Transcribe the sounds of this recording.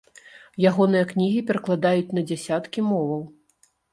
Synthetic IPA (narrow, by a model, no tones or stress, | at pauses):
jaɣɔn̪ɨjɐknʲiɣʲipʲɛɾɐklˠad̪ajut͡sʲnɐd͡zʲɛsʲat̪kʲimɔvɐw